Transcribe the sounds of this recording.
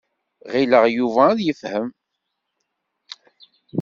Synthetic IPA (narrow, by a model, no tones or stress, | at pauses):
ʁiləʁjuvæðjəfhəm